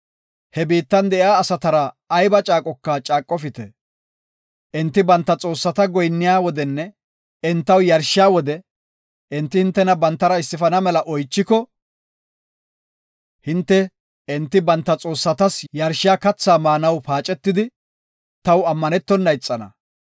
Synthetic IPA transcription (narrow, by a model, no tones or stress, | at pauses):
hɛbiːt̪ːɐnd̪ɛʔjaːsɐt̪ɐɾɐː | jbɐt͡ʃʼaːkʼɔkːat͡ʃʼaːkʼːɔfɪt̪ɛ | ʔɪnt̪ːɪbɐnt̪ːɐt͡sʼo̞ːsːɐt̪ɐɡɔjnːɪjaːwɔd̪ɛnːɛ | ɪnt̪ːɐwjɐɾʃɪjaːwɔd̪ɛ | ʔɪnt̪ːɪhɪnt̪ːɛnɐbɐnt̪ːɐɾɐɪsːɪfɐnɐmɛlɐʔɔjt͡ʃːɪkɔ | hɪnt̪ːɛ | ɪnt̪ːɪbɐnt̪ːɐt͡sʼo̞ːsːɐt̪ɐsjɐɾʃɪjaːkɐt͡sːaːmaːnɐwpaːt͡ʃʼɛt̪ːɪd̪ɪ | t̪ɐwɐmːɐnɛt̪ːɔnːɐjt͡sʼːɐnɐ̰